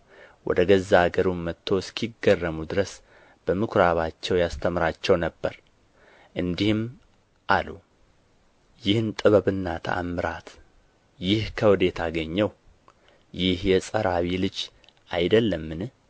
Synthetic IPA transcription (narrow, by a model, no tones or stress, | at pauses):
wɔ̰d̪əɡəzːaɡəɾummːət̪ʰːo̞skʰiɡərːəmud̪ɨɾəs | b̥əmɨkʰɾaβat͡ʃːɛwjast̪ʰəmɾat͡ʃːɛwnəbːəɾ | ʔɨnd̪ihɨm | ʔalu | jɪhɨnt̪ʼɨβəβɨnːat̪ʰə̰ʔa̰mːɨɾat̪ | jɪhkʰəwɨd̪e̞t̪ʰaɡəɲːɛw | jɪhjɛsʼəɾawilɨd͡ʒ | ʔajd̪əlːəmːɨn